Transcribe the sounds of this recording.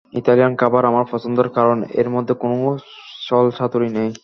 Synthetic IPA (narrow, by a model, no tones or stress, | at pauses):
it̪alijankabaɾamaɾfɔt͡ɕond̪oɾkaɾonḛɾmod̪ʱːekono | ʃɔlʃʰat̪oɾinej